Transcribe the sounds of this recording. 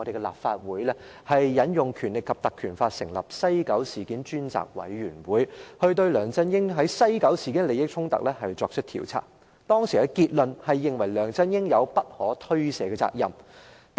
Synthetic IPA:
ɔ˧ɾe˨jkɛ˧la̰ː˨p̚faː˧t̚wuː˨˥jlɛ˥ | hɐ˨jːɐ˨˥njʊ˨ŋkʰyː˨˩nlɪ˨kːɐ˨p̚t̪ɐ˨kʰːyː˨˩nfaː˧t̚sɪ˨˩ŋlɐ˨p̚sɐ˥jkɐ˨˥wsiː˨˩kiː˨˥nt͡ʃyː˥nt͡sa̰ː˨k̚wɐ̰˨˥jɥyː˨˩nwuː˨˥jhɵ˧ɥt̪ɵ˧ɥlœː˨˩ŋt͡sɐ˥njɪ˥ŋɦɐ˨˥jsɐ˥jkɐ˨˥wsiː˨˩kiː˨˥nle˨˧jɪ˥k̚t͡ʃʰʊ˥ŋt̪ɐ̰˨k̚lɛː˥hɐ˨jt͡sɔː˧k̚t͡ʃʰʏ˥k̚t̪ʰḭː˨˩wt͡sʰa̰ː˧˥k̚ | t̪ɔː˥ŋsi˨˩ɛ˧kiː˧t̚lɵ˨nhɐ˨jːɪ˨ŋwɐ˨˩jlœː˨˩ŋt͡sɐ˥njɪ˥ŋjɐ˨˧wpɐ˥t̚hɔː˨˥t̪ʰɵ˥ɥsɛː˨˥kɡɛ˧t͡sa̰ː˧k̚jɐ̰˨m

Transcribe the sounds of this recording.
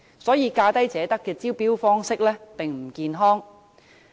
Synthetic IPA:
sɔː˨˥jiː˨˧kaː˧t̪ɐ˥jt͡sɛː˨˥t̪ɐ˥kːɛː˧t͡siː˥wpiː˥wfɔː˥ŋsɪ˥k̚lɛː˥pɪ˨ŋm̩˨˩kiː˧nɦɔː˥ŋ

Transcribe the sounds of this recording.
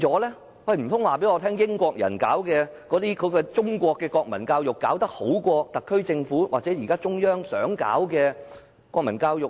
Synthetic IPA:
t͡sɔː˨˥lɛː˥ | wɐ˧jm̩˨˩t̪ʰʊ˥ŋwaː˨p̬e˨˥jŋɔː˨˧t̪ʰɛː˥ŋjɪ˥ŋkʷɔː˧k̚jɐ̰˨˩nkaː˨˥wkɛː˧kɔː˨˥t̪iː˥kʰɵ˨˧kɔː˧t͡sʊ˥ŋkʷɔː˧kːɛː˧kɔː˧k̚mɐ˨˩nkaː˧wjʊ˨kːaː˨˥wt̪ɐ˥k̚ho˨˥wkʷɔː˧t̪ɐ˨kʰːɵ˥ɥt͡sɪ˧ŋfuː˨˥wa̰ː˨k̚t͡sɛ˨˥jiː˨˩kaː˥t͡sʊ˥ŋjœː˥ŋsœː˨˥ŋka̰ː˨˥wkɛː˧ | kʷɔː˧k̚mɐ˨˩nkaː˧wjʊ˨k̚

